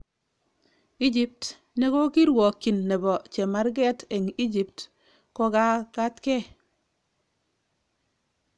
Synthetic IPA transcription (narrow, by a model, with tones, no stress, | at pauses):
i˦d͡ʒi˦p̚t | ne˦kɔ˦ki˦ɾwɔ˨kːi˨nːe˨bɔ˨t͡ʃe˨ma˦ɾɡɛ˦te˨ŋi˦d͡ʒi˨pt | kɔ˦ka˦ka˦tkɛ˦